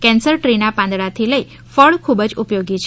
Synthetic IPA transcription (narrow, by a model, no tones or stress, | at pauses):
kɛ̃nsəɾʈɾenapãnd̪ɽat̪ʰiləi | fəɭkʰubəd͡ʒupjoɡit͡ʃʰ